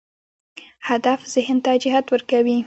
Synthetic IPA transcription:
had̪afz̥ɪhnt̪ad͡ʒɪɦat̪wəɾkawi

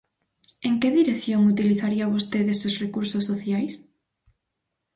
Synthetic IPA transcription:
eŋkeðiɾeθjoŋut̪iliθaɾiaβost̪eðesesrekuɾsosːoθjajs

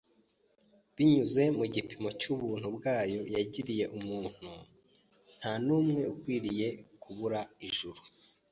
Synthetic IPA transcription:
βiɲuze̞muɟipimo̞cuβuːn̥hubɡaːjo̞jaɟiɾije̞ʔumuːn̥hu | n̥hanuːmŋe̞ukwiːɾije̞kʰuβuɾaiʒuɾu̥

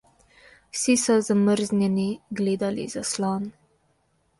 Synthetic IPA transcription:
wsisɔzaməɾznjɛniɡleːd̪alḭzaslɔːn

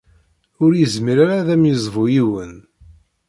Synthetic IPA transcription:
ʊɾjəzmiɾaɾaðæmjəzˤvujiwən

